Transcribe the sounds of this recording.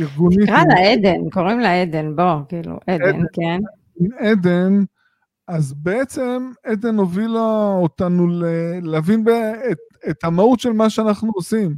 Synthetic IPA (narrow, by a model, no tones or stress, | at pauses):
iʁɡunikʁalaed̪enko̞ʁimleed̪enbokiːlṵʔed̪enken | imed̪e̞n | azbeet͡semed̪enovilaot̪anuleleavinbetet̪hamaut̪ʃelmaʃeanaχnuosim